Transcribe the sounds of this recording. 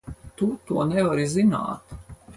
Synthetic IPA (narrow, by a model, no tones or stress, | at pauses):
t̪ut̪uɔnɛvaɾizina̰ːt̪